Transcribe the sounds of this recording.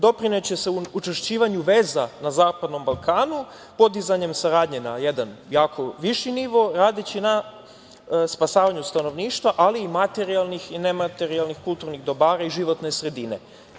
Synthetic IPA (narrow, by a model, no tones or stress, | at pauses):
d̪o̞pɾine̞t͡ɕe̞se̞uut͡ʃeʃt͡ɕiːʋaɲuʋe̞ːzanazaːpad̪no̞mbalˠkʰaːnu | po̞d̪izaɲe̞msaɾaːd̪ɲenajed̪anjaːkʰo̞ʋiʃiniʋo̞ɾaːd̪it͡ɕina | spasaːʋaɲust̪ano̞ʋniːʃt̪ʋaʔaliːmat̪eɾialˠnixine̞mat̪e̞ɾialnixkult̪uɾniɣd̪o̞baːɾaiʒiʋo̞t̪ne̞sɾe̞d̪ine̞̰